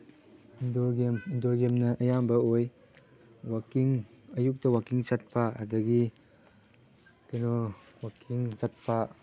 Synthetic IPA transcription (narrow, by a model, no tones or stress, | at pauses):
indoɡemindoɡemnɐʔɐjambɐoj | wakiŋɐjuk̚tɐwakiŋsat̚pʰaɐ̰dɐɡi | keno | wakʰiŋsat̚pʰa